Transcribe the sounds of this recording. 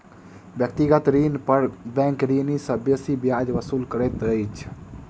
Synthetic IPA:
bjək̚t̪iɡət̪ɾinpəɾbɛ̃ŋkɾinisə̃besibjad͡ʒʋəsuːlkəɾet̪əjt͡ʃʰ

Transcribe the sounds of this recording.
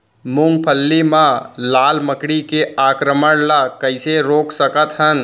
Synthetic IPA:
mũŋɡ̚pʰəlːimãlaːlməkɽikeaːkɾəməɽlakəɪseɾoːksəkət̪ɦən

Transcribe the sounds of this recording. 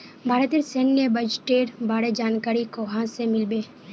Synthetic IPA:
bʱaːɾət̪ɪɾsenjebəd͡ʒʈeːʈbaːɽed͡ʒaːnkaːɾikoːɦãsemɪlbeː

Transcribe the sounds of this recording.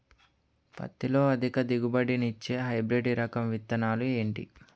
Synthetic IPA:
pɐ̰t̪ːilo̞ːɐd̪ʱikɐd̪iɡubɐɽinit͡ʃːe̞ːɦɐjbɾeɖiɾɐkɐmʋit̪ːɐnaːlue̞ːɳʈḭ

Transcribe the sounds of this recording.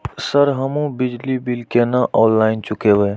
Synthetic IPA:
səɾɦəmũbɪd͡ʒlibilkenaʔɔːlːaːɪnt͡ʃukebeː

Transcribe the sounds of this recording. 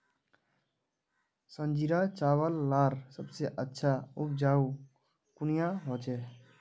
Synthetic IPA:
sə̃nd͡ʒiɾat͡ʃaːwəlːaːɾsəbseʔətːʃʰaʊp̚d͡ʒaːu | kʊnijaɦot͡ʃɛ

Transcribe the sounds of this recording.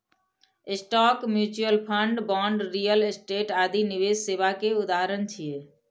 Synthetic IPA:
ɪsʈɔkmjuːt͡ʃuəlpʰə̃ɳɖbɔːɳɖɾijəlɪsʈeːʈaːd̪ʱiniʋed͡ʒseːʋakeʊd̪aɦəɾənt͡ʃʰije

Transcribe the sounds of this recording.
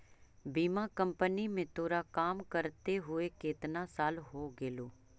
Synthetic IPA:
biːmãːkə̃mpənimẽt̪oːɾakaːmkəɾt̪eɦʊekeːt̪nãsaːlɦoːɡeːloː

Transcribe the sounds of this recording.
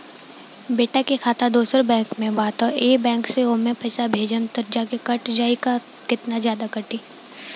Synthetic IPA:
beːʈakekʰaːt̪ad̪oːsəɾbɛ̃ːŋkmẽbaːt̪ɔɾeːbɛ̃ːŋkseoːmẽpɐɪsabʱeːd͡ʒənt̪ɐɾd͡ʒakekɐʈd͡ʒaːika | kɪt̪nazjaːd̪akɐɾʈiː

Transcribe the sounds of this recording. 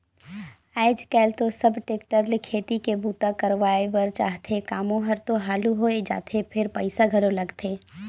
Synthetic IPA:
aɪd͡ʒkɛːlt̪osəbʈeːk̚ʈəɾlɪkʰeːt̪ikebuːt̪akəɾʋaːebəɾt͡ʃa̰ːɦt̪ʰekaːmõɦɐɾt̪oɦaːluɦoed͡ʒa̰ːt̪ʰepʰɪɾpəɪsaɡʱɐɾolɐɡt̪ʰeː

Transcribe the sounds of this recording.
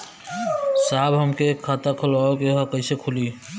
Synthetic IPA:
saːbɦɐmkekʰaːt̪akʰʊlaːokeɦɐkɐisekʰʊliː

